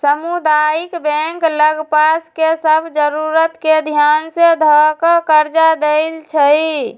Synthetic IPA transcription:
səmud̪ajikbẽŋkləɡpaskesəbʱd͡ʒəɾuɾət̪ked̪ʱjansed̪ʱəkəkəɾd͡ʒad̪eɪlt͡ʃʰə

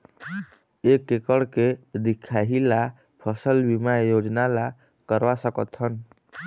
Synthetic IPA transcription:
ekːekəɽked̪ikʰːaɦila | pʰəsəlbimajod͡ʒnala | kəɾʋasəkət̪ɦən

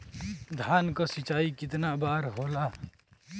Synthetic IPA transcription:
d̪ʱaːnkasɪt͡ʃaːikɪt̪nabaːɾɦoːlaː

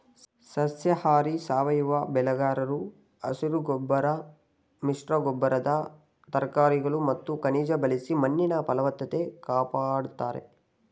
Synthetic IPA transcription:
sɐsjɐhaːɾisaːʋɐjuʋɐbɛlɐɡaːɾɐɾu | ɐ̰suɾuɡɔbːɐɾɐ | miʂʈɾɐɡɔbːɐɾɐd̪ɐ | t̪ɐɾkaːɾiɡɐɭumɐt̪ːukɐniːd͡ʒɐbɐlisimɐnːiɳɐpɐlɐʋɐt̪ːɐt̪e̞kaːpaːɽut̪aːɾe̞̰

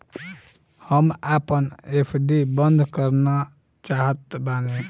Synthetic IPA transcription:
həmapənepʰɖibənd̪ʱkəɾna | t͡ʃaɦət̪bane

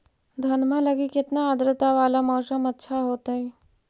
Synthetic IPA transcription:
d̪ʱɐnmãlɐɡikɪt̪naəd̪ɾɪt̪aʋaːlamɔːsəmɐtːʃʰaɦoːt̪aɦɛ̃ː

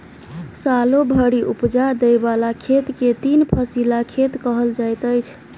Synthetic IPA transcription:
salobʱəɽiʔupd͡ʒad̪ejbalakʰet̪ket̪inpʰəsilakʰet̪kəɦəld͡ʒajt̪əjt͡ʃʰ

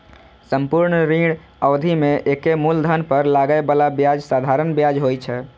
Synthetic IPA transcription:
səmpuɾɳɾiɽ | əwd̪ʱimeʔekemuld̪ʱənpəɾlaɡəebalabjad͡ʒsad̪ʱaɾənbjad͡ʒɦojt͡ʃʰɛ

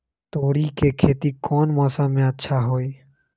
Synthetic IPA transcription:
t̪oːɽiːkeːkʰeːt̪iːkoːnmɔːsãːmẽətːʃʰaːɦoːiː

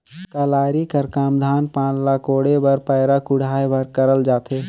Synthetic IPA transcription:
kaːlaːɾikəɾkaːmd̪ʱaːnpãːnlaːkoːɽebəɾpəːɾakʊɽ̤ʱaːjebəɾkəɾəld͡ʒaːt̪eː

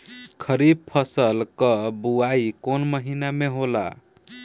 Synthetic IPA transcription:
kʰəɾib̚pʰəsəlkəbuaikonməɦinameɦola̰

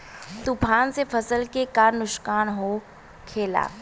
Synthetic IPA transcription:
t̪ʊpʰaːnsefʰɐsəlkekaːɾnʊʃkaːnɦo | kʰeːla̰ː

